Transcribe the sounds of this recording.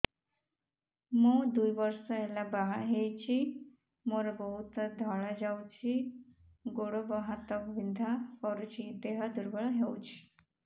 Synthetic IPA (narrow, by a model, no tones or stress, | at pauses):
mud̪ujʋəɾsəelabaɦet͡ɕi | moɾabɔɦut̪d̪ʱɔɭad͡ʑawt͡ɕi | ɡoɽobəɦãt̪əkʋind̪ʱakɔɾut͡ɕit̪eɦad̪uɾbəɭaɦewt͡ɕi̥